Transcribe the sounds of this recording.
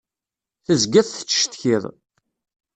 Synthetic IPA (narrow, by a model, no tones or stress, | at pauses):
θəzɡæðθə̥t͡sːʃt̪çiðˤ